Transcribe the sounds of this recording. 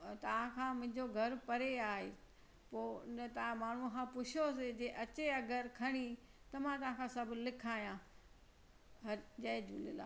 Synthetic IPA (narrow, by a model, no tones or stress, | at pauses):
t̪ɐʋ̤ãkʰãːmʊ̃ɦɪ̃ɲd͡ʑoɡʱɐɾpɐɾeaːɦe | poːɪnət̪ɐ̃maːɳ̤ukʰãːpʊt͡ɕʰjosed͡ʑeːʔɐt͡ɕeɐɡəɾkʰɐɽ̃i | t̪ɐmãt̪ɐʋ̤ãkʰãsɐbʱlɪkʰaːijã | ɦɐd͡ʑɐːd͡ʑṵːlɪ̰la̰ː